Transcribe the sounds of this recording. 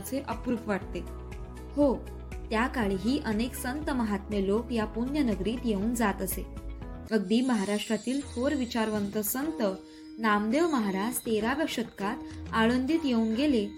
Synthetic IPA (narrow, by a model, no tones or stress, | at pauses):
t͡seʔəpɾuːpʋaʈ̚t̪e | ho | t̪jakaɭiɦiːʔəneksənt̪əməɦat̪melokjapunjənəɡɾiːt̪jeuːnd͡zat̪əse | əɡ̚d̪iːməɦaɾaʂʈɾat̪iːlfʰoɾʋit͡ɕaɾʋənt̪əsənt̪ə | namd̪eʋməɦaɾad͡ʑt̪eɾaʋjəkʂət̪kat̪aɭənd̪iːt̪jeũːnɡele